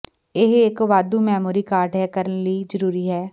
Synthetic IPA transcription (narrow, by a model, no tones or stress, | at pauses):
ɪɦɪkʋaːd̪uːmɛːmuːɾiːkaːɾʈɦɛːkəɾənləiːzəɾuːɾiːɦɛː